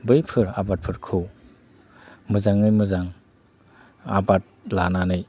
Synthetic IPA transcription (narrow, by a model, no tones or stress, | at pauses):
bɯjpʰɯɾabat̚pʰɯɾkʰɯw | mɯzaŋnɯjmɯzaŋ | a̰bat̚lananɯj